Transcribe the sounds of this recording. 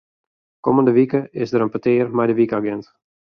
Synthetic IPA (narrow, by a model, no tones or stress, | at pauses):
kɔməndəʋikəɪsdəɾənpətɪːrmɛjdəʋikaɡɛnt